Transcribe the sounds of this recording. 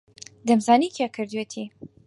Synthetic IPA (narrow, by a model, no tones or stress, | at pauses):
d̪ɐmzaːnikʰekʰɨɾd̪weːt̪ʰi